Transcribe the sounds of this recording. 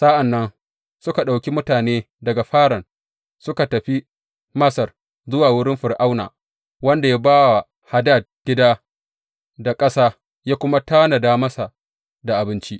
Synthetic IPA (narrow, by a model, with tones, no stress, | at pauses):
sa˦ʔa˨nːɐ˦n | sʊ˦ka˨ɗa˨wkʲi˦mʊ˦taː˨neː˦ | dɐ˨ɡa˨ɸaː˦ɽɐ˨n | sʊ˦ka˨tɐ˨ɸi˦ | mɐ˦sɐ˨r | zʊ˦waː˨wʊ˦ɽɪ˦mɸɪ˨rʔa˦wna̰ː˨ | wɐ˦nda˨ja˦baː˦wa˨ | ha˨da˦˨d̚ɡ̥ʲɪ˦daː˦ | da˨kʼɐ˦saː˦ | jaː˦kʷʊ˦ma˦taː˦na˨daː˦mɐ˦sa˨ | da˨ʔa˨bɪ˦nt͡ʃi˦ʔ